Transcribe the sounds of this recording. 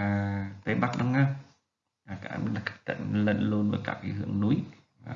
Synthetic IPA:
t̪e˨˦ɓa˦˥k̚ɗʊ˨˧˦ŋaː˧˩ | aː˨˩ka̰˧lḁ˨˩˧t̪ə̰˧˨ŋlə̰˧˨nlu˧ənvaː˨˩jka̰ː˧˥k̚i˧˦hɨ̰˧˩əŋnu˨˦əj | aː˨˩˨

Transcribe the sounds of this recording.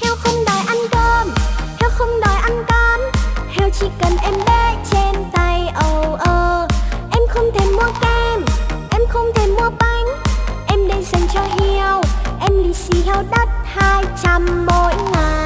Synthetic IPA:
h̪ʰɛ˧wxə˧wŋ͡mɗɔ˨˩jʔa˧nkəː˧mt̪hʰɛ˧wxə˧wŋ͡mɗɔ˨˩jʔa˧ŋkə˧nhɛ˧˩wt͡ɕḭ˧˥kə˨˩nʔɛ˧mɗe˦˥t͡ɕe˧nt̪a˧˩jʔə˨˩wʔəː˨˩ʔɛ˧mxə˧wŋ͡mt̪ʰe˨˧˩mu˧əkɛ˧mʔɛ˧mxə˧wŋ͡mt̪ʰe˧˩mu˧əɓa˧˩jŋ̟ʔɛ˧mɗe˧nza˨˩ŋ̟t͡ɕɔ˧ʔi˧əwʔɛ˧mli˨˩si˨˦hɛ˧wɗə˦˥t̚haː˧jt͡ɕa˧mːo˧jŋaː˨˩

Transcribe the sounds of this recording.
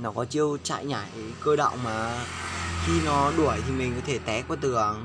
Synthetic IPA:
nɔ˨˦kɔ˨˦t͡ɕi˧əwt͡ɕa̰ː˧˨jɲaː˧˩jkəː˧ɗə̰˧˨wŋ͡mmaː˨˩ | xi˧nɔ˨˦ɗu˧˩əjt̪ʰi˨˩mi˨˩ŋ̟kɔ˨˦t̪ʰe˧˩t̪ɛ˨˦kɔ˨˦t̪ɨ˨˩əŋ

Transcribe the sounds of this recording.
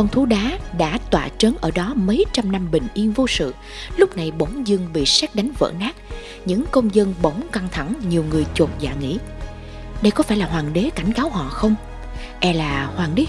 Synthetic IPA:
kɔ˧nt̪ʰu˨˦ɗaː˨˦ɗa̰ː˧˥t̪wa̰ː˧˨t͡ɕəː˨˦nʔəː˧˩ɗɔ˨˦mə˨˦jt͡ɕa˧mna˧mɓï˨˩ŋ̟ʔi˧ənvo˧sɨ̰˧˨ | lʊ˦˥k͡p̚na˨˩jɓə˨˦wŋ͡mzɨ˧əŋɓḭ˧˨sɛː˦˥k̚ɗa˨˦jŋ̟və̰ː˧˨naː˦˥k̚ | ɲɨ̰˧˥ŋkə˧wŋ͡mzə˧nɓə˨˦wŋ͡mka˧ŋt̪ʰa˧˩ŋɲi˨˩əwŋɨ˨˩əjt͡ɕo˨˩t̚za̰ː˧˨˩ŋḭ˧˥ | ɗə˧jkɔ˨˦faː˧˩jlaː˨˩ɦwaː˨˩ŋɗe˨˦ka˧˩jŋ̟kaː˨˦wɦɔ̰˧˨xə˧wŋ͡m | ʔɛ˧laː˨˩hwaː˨˩nɗe˨˦

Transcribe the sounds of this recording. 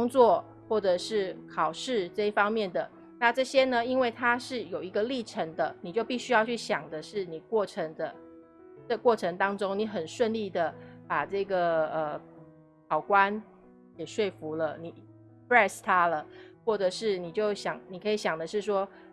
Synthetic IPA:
kʊ˥ŋt͡swɔ˥˨ | xwɔ˥˩ʈ͡ʂɤ˨˩ʂɻ̩˥˩kʰɑ˨˩ʊʂɻ̩˥˩˧ʈ͡ʂɤ˥˧i˥˩fɑ˥ŋmjɛ˥˩nd̪ə˩ | na˥˧ʈ͡ʂɤ˥˩ɕjɛ˥nə˨i˥nwe˥˩ɪt̪ʰa˥ʂɻ̩˥˩jo˨˩ʊi˧˥ɡə˧li˥˩ʈ͡ʂʰə˧˥ŋd̪ə˧ni˨˩t͡ɕjo˥˧ʊpi˥˩ɕy˥jɑ˥˧ʊt͡ɕʰy˥˩ɕjɑ˨˩ŋd̪ə˦ʂɻ̩˥˩ni˨˩kwɔ˥˩ʈ͡ʂʰə˧˥ŋd̪ə˧ | ʈ͡ʂə˥˧kwɔ˥˩ʈ͡ʂʰə˧ŋt̪ɑ˥ŋʈ͡ʂo˥ŋni˧˦˥xə˨˩nʂwə˥˧nli˥˩d̪ə˩pa˨˩ʈ͡ʂɤ˥˩ɡə˩ə˩ | kʰɑ˨˩ʊkwa˦n | jɛ˨˩ʂwe˥˩ɪfu˧˥lə˧ni˨˩˦ | pɹɛ˥˧st̪ʰa˦˥lə˨xwɔ˥˩ʈ͡ʂɤ˨˩ʂɻ̩˥˩ni˨˩t͡ɕjo˥˩ʊɕjɑ˨˩ŋni˨˩kʰɤ˧˥i˧˩ɕjɑ˨˩ŋd̪ə˦ʂɻ̩˥˩ʂ̬wɔ˥

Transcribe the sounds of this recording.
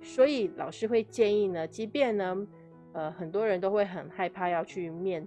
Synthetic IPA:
swɔ˧˥i˨˦lɑ̰˨˩ʊʂɻ̩˥xwe˥˧ɪt͡ɕjɛ˥˧ni˥˩nə˩t͡ɕi˧˥pjɛ˥˩nə˩ | ə˧xə˨˩nt̪wɔ˥ɻə˧˥nt̪o˥ʊxwe˥˩ɪxə˨˩nxa˥˧ɪpʰa˥˧jɑ˥˧ʊt͡ɕʰy˥˧mjɛ˥˩n

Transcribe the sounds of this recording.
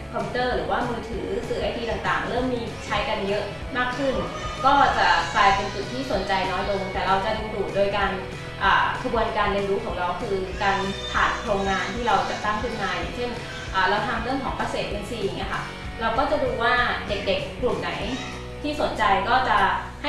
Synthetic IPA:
kʰɔ˧pʰi˧˥t̪ɤː˥˩ɾɯː˩˦waː˥˩mɯː˧t̪ʰɯː˩˦sɯː˨˦aː˧˩jt̪ʰiː˧t̪a˨˩ŋt̪aː˨˩ŋɾɤː˥˩mːiː˧ | t͡ɕʰa˦˥jka˧njɤ˦˥ʔ | maː˥˩kʰːɯ˥˩n | kɔː˥˩t͡ɕa˨˩klaː˧jpe˧nt͡ɕu˨˩t̪ʰːiː˥˩so˨˩˦nt͡ɕa˧jnɔː˦˥jdo˧ŋt̪ɛː˨˩ɾa˧wt͡ɕa˨˩duː˧duː˨˩t̪̚doː˧jkaː˧n | ʔaː˨˩kʰa˧bu˧ənkaː˧nɾi˧ənɾuː˦˥kʰɔː˩˦ŋɾa˧wkʰɯː˧kaː˧np̪ʰaː˨˩t̪̚kʰɾoː˧ŋŋaː˧nt̪ʰiː˥˩ɾa˧wt͡ɕa˨˩p̚t̪a˥˩ŋkʰɯ˥˩nmaː˧jaː˨˩ŋt͡ɕʰe˥˩n | ʔaː˨˩lɛː˦˥wt̪ʰaː˧ŋɾɯ˥˩əŋkʰɔː˩˦ŋpaː˧seː˨˩t̪̚ʔe˧nsiː˧˩˧ŋi˦˥ɐkʰa˦˥˩ | ɾa˧wkɔː˥˩t͡ɕa˨˩duː˧waː˥˩de˨˩k̚de˨˩k̚klɾu˨˩t̪̚na˩˦j | t̪ʰiː˥˩so˩˦nt͡ɕa˧jkɔː˥˩t͡ɕa˨˩ | ha˥˩

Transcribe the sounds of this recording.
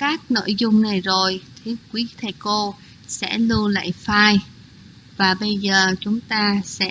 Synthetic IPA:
kaː˦˥k̚no̰˧˨jzʊ˧wŋ͡mna˨˩jzo˨˩jt̪ʰi˨˩kwi˨˦t̪ʰə˨˩jko˧ | sɛ̰˧˥lɨ˧əla̰ː˧˨jfaː˧j | vaː˨˩ɓə˧jzəː˨˩t͡ɕʊ˨˦ŋ͡mt̪aː˧sɛ̰˧˥

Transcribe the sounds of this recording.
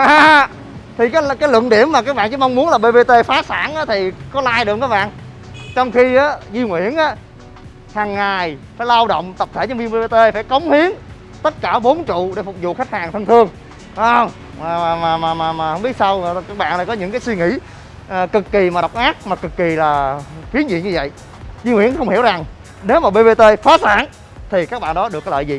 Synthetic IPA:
ʔaː˨ | t̪ʰi˨˩kaː˨˦jkaː˨˦jlwə̰˧˨nɗi˧˩əmːaː˨˩kaː˦˥k̚ɓa̰ː˧˨nt͡ɕɨ˧˦ma˧wŋ͡mmu˦ənla˨˩ɓe˧ɓe˧t̪e˧faː˨˦saː˧˩nʔaː˨˦t̪ʰi˨˩kɔ˨˦laː˧jɗɨ˨˩əkŋkaː˦˥ɓa̰ː˧˨n | t͡ɕɔ˧wŋ͡mxi˧ʔaː˨˦zi˧ŋwḭ˧˩ənʔaː˨˦ | haː˨˩ŋːaː˨˩jfaː˧˩jla˧wɗə̰˧˨wŋ͡mt̪ə˨˩p̚t̪ʰe˧˩˨mi˧ə˧mɓe˧˩e˧t̪e˧faː˧˩jkə˨˦wŋ͡mhi˨˦əŋ | t̪ə˦˥t̚kaː˧˩ɓo˨˦nt͡ɕṵ˧˨ɗe˧˩fʊ˨˩k͡p̚zṵ˧˨xa˦˥k̚haː˨˩ŋt̪ʰə˧nt̪ʰɨ˧əŋ | ɗɔ˨˦ə˧wŋ͡m | aː˨˩aː˨˩maː˨˩maː˨˩maː˨˩maː˨˩hə˧wŋ͡mɓi˦˥ət̚sa˧wkaː˦˥k̚ɓa̰ː˧˨naː˨˧˩jkɔ˨˦ɲɨ̰˧˥ŋkaː˨˦jswi˧ŋḭ˧˥ | ʔːkɨ˨˩kːi˨˩maː˨˩ɗa˨˩wk͡p̚ʔaː˦˥k̚maː˨˩kɨ˨˩kːi˨˩laː˨˩fi˨˦ənzḭ˧˨ɲɨ˧və̰˧˨j | zi˧ŋwḭ˧˩ənxə˧wŋ͡mhi˧˩əwza˨˩ŋ | ne˨˦wmaː˨˩ɓe˧ve˧t̪e˧faː˨˦˥saː˧˥n | t̪ʰi˨˩kaː˦˥k̚ɓa̰ː˧˨nɗɔ˨˦ɗɨ˨˩əkːɔ˨˦ləː˧˨jzi˨˩

